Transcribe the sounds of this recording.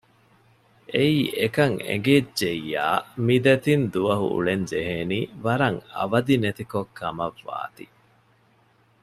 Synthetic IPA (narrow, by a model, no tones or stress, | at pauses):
ʔeiːʔekɐŋḛŋɡed͡ʒeija̰ːmid̪ɐt̪ind̪uʋɐɦṵṵɭeɲd͡ʒeɦeːniːʋɐɾɐŋɐ̰ʋɐd̪inet̪ikokʰːɐmɐʋːa̰ːt̪i